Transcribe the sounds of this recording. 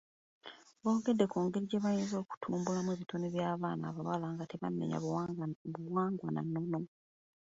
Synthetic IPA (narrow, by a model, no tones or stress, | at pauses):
βo̞ːɡe̞dːe̞kuːŋɡe̞ɾiɟeβajeːnzo̞ːku̥tʰuːmbulamweβitʰoneβjaːβaːna̰ːβawalaːŋɡateβamːḛɲa̰βuwaːŋɡwana̰nːo̞no̞